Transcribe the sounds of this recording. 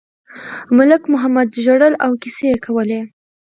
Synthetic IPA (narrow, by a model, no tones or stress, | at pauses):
mʊlɪkmʊɦamad̪ʒoɽəlawkisejekʰawəle